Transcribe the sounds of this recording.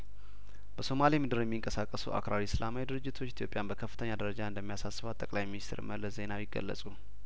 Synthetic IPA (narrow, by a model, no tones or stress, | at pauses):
b̥əso̞malimɨd̪ɨɾjɛmːiŋkʼəsakʼːəsṵʔa̰kɾaɾisɨlamajid̪ɨɾɨd͡ʒːɪt̪ʰo̞t͡ʃːit̪ʰjopʼjanbəkʰəfːɨ̥t̪ʰəɲːad̪əɾəd͡ʒaɨnd̪əmːijasasːɨβat̪ʼːəkʼlajminist̪ʰɾməlːəsze̞nawjɪɡə̰lːə̰sʼu